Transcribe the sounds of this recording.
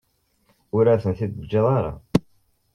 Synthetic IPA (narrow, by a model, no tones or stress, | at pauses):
ʊɾæθənθid̪əd͡ʒːeðˤɑɾa̰